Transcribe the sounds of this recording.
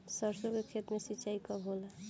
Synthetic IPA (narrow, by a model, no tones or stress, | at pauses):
səɾsokekʰet̪mesit͡ʃaikɔbʱolə